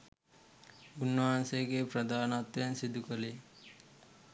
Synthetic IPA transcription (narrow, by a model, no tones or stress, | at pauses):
ɡunaːnseɡepɾɐd̪ʱaːnat̪ɾensid̪ʱukɐle